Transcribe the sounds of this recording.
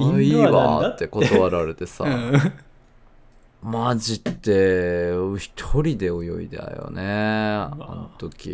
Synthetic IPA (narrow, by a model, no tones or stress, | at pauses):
iːβa̰t̪ːe̞ko̞t̪oβaɾaɾe̞t̪e̞sa̰ | mad͡ʑit̪ːe̞ | çi̥t̪ʰoɾʲid̪e̞o̞jo̞ḭd̪aa̰jo̰ne | onot̪o̞kʲḭ